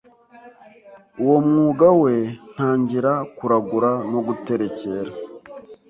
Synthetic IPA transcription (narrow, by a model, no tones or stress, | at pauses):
uwo̞mŋuːɡawe̞n̥haːɲɟiɾakuɾaɡuɾano̞ɡute̞ɾe̞ce̞ɾa